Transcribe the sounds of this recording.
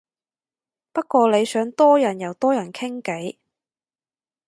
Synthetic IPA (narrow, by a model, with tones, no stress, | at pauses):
pɐ˥t̚kʷɔː˧le˨˧jsœː˨˧˥ŋt̪ɔː˥jɐ˨˩njɐ˨˩wt̪ɔː˥jɐ˨˩nkʰɪ˥ŋke˨˥j